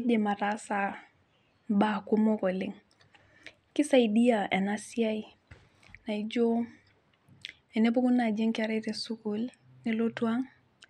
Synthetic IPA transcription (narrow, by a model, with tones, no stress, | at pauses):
de˨ma˨tasa | mba˦ku˦mo˦ko˨li˦ŋ | ki˦sa˦idi˦jaʔɛ˨na˦sia˦i | na˨id͡ʒo˦ | ɛ˨ne˦bu˦ku˦nːa˨d͡ʒe˦ŋkaɾe˦te˨su˦kul | ne˨lotu˦a˦ŋ